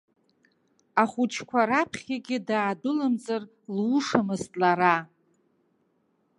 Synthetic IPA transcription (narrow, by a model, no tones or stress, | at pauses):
aχʷut͡ʃʰkʷʰaɾapʰχʲaɡʲɪdaːdʊlamd͡zʼar | luʂamɨztʼlaɾa